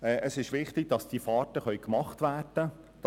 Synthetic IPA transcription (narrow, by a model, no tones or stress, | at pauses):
ɛːʔəsɪʃʋɪχtɪɡ̥̚d̥ɑsd̥ifɑːtəχœɥkmɑχtʋæːrd̥ə | d̥